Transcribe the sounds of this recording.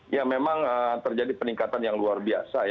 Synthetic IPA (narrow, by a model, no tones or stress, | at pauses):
jamemaŋət̪ərd͡ʒadipəniŋkat̪anjaŋluarbia̰saj